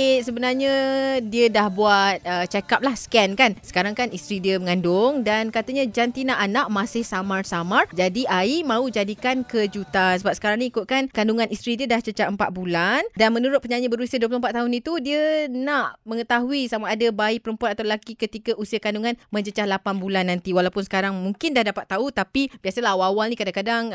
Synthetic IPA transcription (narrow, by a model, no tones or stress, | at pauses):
səbənarɲadiədahbuat̪̚ət͡ʃakap̚lahskɛnkansə̥kaɾaŋkanist̪ɾidiəməŋandʊŋdankat̪aɲad͡ʒant̪inaʔanaʔmasɪhsamarsamard͡ʒadiʔaimãud͡ʒadikankəd͡ʒut̪asəbapsə̥kaɾaŋnĩikʊt̪̚kankanduŋanist̪ɾidiədaht͡ʃət͡ʃaɦəmpa̰t̪̚bulandanmə̃nuɾʊt̪̚pəɲaɲəbəɾusiaduəp̬lʊhəmpat̪ːaɦʊnit̪udiənaʔməŋət̪aɦuisamaʔːdabaɪʔ̚pəɾəmpuanat̪awlaɡikət̪ikaʔusiakanduŋanmə̃ɲd͡ʒət͡ʃahlapanbulanːant̪iwalawpʊnsə̥kaɾaŋmuŋkɪndahdapat̪ːaut̪apibiasəlaɦwawalnĩkadaŋkadaŋ